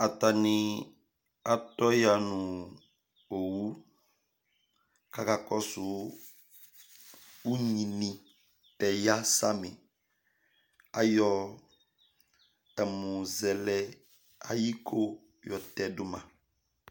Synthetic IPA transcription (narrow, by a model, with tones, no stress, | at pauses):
a˨ta˨nĩ˨ | a˨tɔ˦ja˨nũ˨ | o˨wu˦ | ka˨ka˨kɔ˦su˨ | u˦ɲĩ˨nĩ˨ | tɛ˨ja˦sa˦mɪ̃˨ | a˦jɔ˦ | ɛ˨mũ˨zɛ˨lɛ˦ | a̰˨ji˦kʰo˦ | jɔ˨tɛ˨dʊ˨mã̰˨